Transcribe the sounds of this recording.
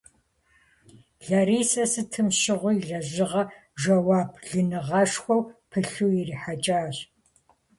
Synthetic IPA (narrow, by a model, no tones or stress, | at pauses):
ɮɐɾiːsɐsɨtʰɨmʃɪʁʷʊjɮɐʑɪʁɐ | ʒɐwaːbʰɮɨnɨʁɐʂxʷɔwpʰɨɬuːjiriħat͡ʃʼaːɕ